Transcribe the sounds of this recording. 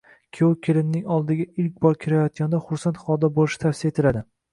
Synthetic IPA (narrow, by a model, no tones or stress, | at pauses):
kʲʰowkʲʰelɪnːɪŋɒlˠd̪ɪɡʲaɪlkʲbɒɾkʲʰɪɾajɒt̪̚ʲand̪aχʊɾsant̪χɒd̪ɒbolɪʃɪt̪ʰafsijet̪ʰɪlad̪ɪ